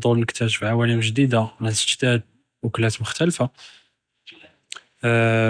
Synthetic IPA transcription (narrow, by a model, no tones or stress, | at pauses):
d̪ˤulnəkt̪æʒfiʕawælimʒd̪id̪amæsəʒd̪æd̪̚ | wəklæt̪mʊxt̪ælfa